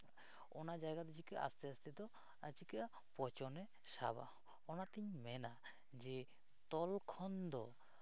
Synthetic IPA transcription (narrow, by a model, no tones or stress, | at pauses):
ɔnad͡ʒaɡad̪ɔd͡ʒikɛʔa̰st̪ɛast̪ɛd̪ɔ | at͡ʃikɛʔa | pɔt͡ʃɔnɛ | sa̰ba̰ | ɔnat̪iɲmɛna | d͡ʒɛ | t̪ɔlkʰɔnd̪ɔ